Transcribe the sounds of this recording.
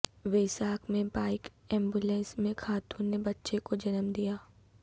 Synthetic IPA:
ʋeːsaːkmẽbaːɪkɛ̃ːmbulɛ̃ːnsmẽkʰaːt̪ũːnːebɐtːʃekod͡ʒɐnəmd̪ijaː

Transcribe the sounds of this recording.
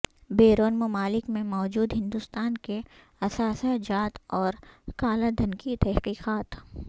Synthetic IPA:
beːɾoːnmɐmaːlɪkmẽmɔːd͡ʒuːd̪ɦɪ̃nd̪ʊst̪aːnke | ɐsaːsad͡ʒaːt̪ɔːɾkaːlad̪ʱɐnkit̪ɛɦqiːqaːt̪

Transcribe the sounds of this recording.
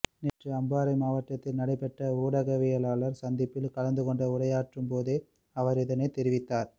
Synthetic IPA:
nɛʈrɯɐmbaːɾɐɪmaːʋɐʈːɐt̪ːɪlnɐɽɐɪpːɛʈrɐuːɽɐɣɐʋɪjɐlaːlɐɾsɐnd̪ɪpːɪlkɐlɐnd̪ɯkɔɳɖɐʊɽɐjaːʈrɯmpoːðeː | ɐʋɐɾɪðɐneɪt̪ɛɾɪʋɪt̪ːaːɾ

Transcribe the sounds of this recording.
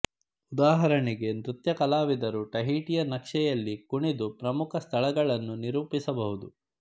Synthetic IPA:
ud̪aːɦɐɾɐɳiɡe̞nɾut̪jɐkɐlaːʋid̪ɐɾuʈɐɦiːʈijɐnɐkʂɛjɐlːikuɳid̪upɾɐmukʰɐst̪ʰɐɭɐɡɐɭɐnːuniɾuːpisɐbɐɦud̪u

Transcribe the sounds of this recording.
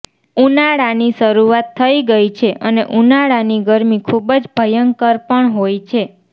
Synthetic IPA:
unaɭaniʃəɾuat̪ʰːəiɡəit͡ʃʰeʔəneʔunaɭaniɡəɾmikʰubəd͡ʒbʱəjəŋkəɾpəɳɦojt͡ʃʰe

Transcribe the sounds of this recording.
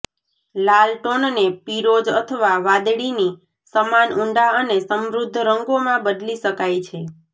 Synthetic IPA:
lalʈonnepiɾod͡ʒət̪ʰəʋaʋad̪ɭini | səmanuɳɖaənesəmɾʊd̪ʱːɾəŋɡomãbəd̪liʃəkajt͡ʃʰe

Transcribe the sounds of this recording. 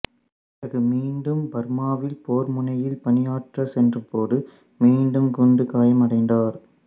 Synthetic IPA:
ɪnɐɣɯmiːɳɖɯmbɐɾmaːʋɪlpoːɾmʊnɐjɪlpɐnɪjaːʈrɐsɛndrɯmpoːɽɯ | miːɳɖɯmkɔɳɖɯkaːjɐmɐɽɐɪnd̪aːɾ

